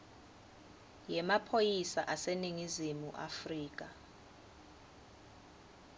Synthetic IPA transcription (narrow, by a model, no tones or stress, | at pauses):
jɛmapʰojisaʔaseniŋizimuʔa̰friːk̬ʼa